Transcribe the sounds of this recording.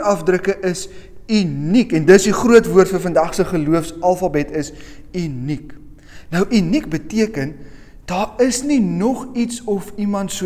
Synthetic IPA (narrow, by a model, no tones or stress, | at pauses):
ɐfdrəkəʔəsynikɛndəsdiχruətvuərtfərfəndɐχsəχəluəfsɐlˠfɐbɛtʰəs | ynik | nəwʔinik̚bətiəkən | d̥ɑːrəsninɔχitsɔfimɐntsu